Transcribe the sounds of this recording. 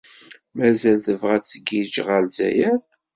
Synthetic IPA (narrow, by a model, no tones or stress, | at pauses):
mæzælθəvʁæt͡sːəɡid͡ʒʁəlzæ̰jæn